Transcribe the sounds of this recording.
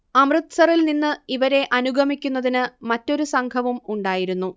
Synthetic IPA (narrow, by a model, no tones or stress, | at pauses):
ɐmrɨt̪sɐrilninːɨiʋɐɾe̞ʔɐnuɡʱɐmikʲːun̪ːɐðinɨmɐtːo̞ɾusɐŋkʰɐʋumuɳɖaːjiɾunːu